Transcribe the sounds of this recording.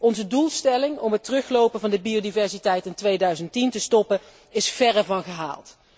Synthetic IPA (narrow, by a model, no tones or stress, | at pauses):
ɔnzədulˠstɛlɪŋɔmɦətərɵχlowpənvɑndəbiodivɛɹsitɛjtɪntʋejdœɥzəntintəstɔpə | ɪsfɛrəvɑnχəɦa̰ːlˠt